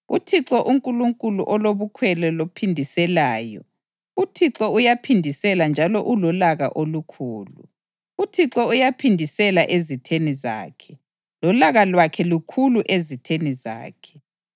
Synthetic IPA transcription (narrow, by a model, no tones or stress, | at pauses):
ṵtʰiǁɔʔuŋkʼuluŋkʼuluʔɔloβukʰwɛlɛlopʰindʱisɛlaːjɔ̰ | utʰiɔujapʰindʱisɛland͡ʒʱalɔʔulɔlaɣa̰ʔolukʰuːlṵ | utʰiǁɔujapʰindʱisɛlaʔezitʰeniza̰ːkʰɛ̥ | lɔlaɣalwakʰɛlukʰuluʔezitʰeniza̰ːkʰɛ̥